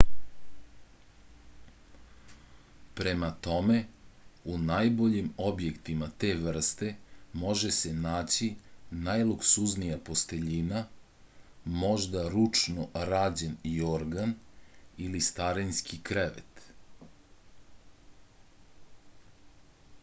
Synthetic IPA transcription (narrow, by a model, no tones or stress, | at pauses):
pɾe̞mat̪o̞me̞unajbo̞ʎimo̞bje̞kt̪imat̪e̞ːʋr̩st̪e̞mo̞ʒese̞naːt͡ɕinajluksuznijapo̞st̪e̞ʎina | mo̞ʒd̪aɾut͡ʂnoɾaːd͡ʑenioɾɡan | ilist̪aɾenskʰikɾeʋḛt̪